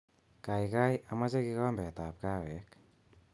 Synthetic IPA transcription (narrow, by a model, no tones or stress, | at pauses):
kajkajamazaɡikɔnmbɛt̪ap̚kawɛk̚